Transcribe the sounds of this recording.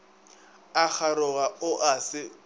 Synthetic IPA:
ak͡xʰaɾʊɣaʊʔasɪ

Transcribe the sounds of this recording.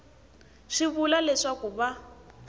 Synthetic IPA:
ʂiβulalɛʂakuβa

